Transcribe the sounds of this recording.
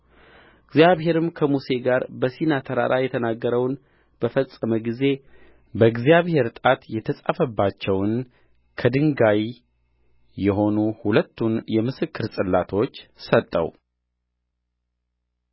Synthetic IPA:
ɨɡzijaβhe̞ɾɨmkʰəmuse̞ɡaɾbəsinat̪ʰəɾa̰ɾʔajɛt̪ʰənaɡːəɾəwn | b̥əfəsʼəməɡize̞ | bəɡzijaβhe̞ɾt̪ʼat̪jɛt̪ʰəsʼafəbːat͡ʃːɛwn | kʰəd̪ɨŋɡaj | ɛɦo̞nuhulət̪ːunjɛmɨsɨkʰːɨɾsʼɨlːat̪ʰo̞t͡ʃːsət̪ʼːə̰w

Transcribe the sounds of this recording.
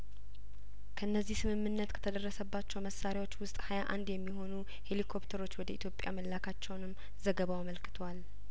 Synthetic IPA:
kʰəɨnːəzːihsɨmɨmːɨnːət̪kʰə̥t̪ʰəd̪ərːəsəbːat͡ʃːɛwməsaɾjawot͡ʃːwʊst̪ʼhajaʔa̰nd̪jɛmːiɦo̞nu | he̞likʰo̞pt̪ʰəɾo̞t͡ʃːwɔd̪əit̪ʰjo̞pʼja̰məlːakʰat͡ʃːɛwnɨmː | zəɡəβawaməlkʰɨ̥t̪ʰwal

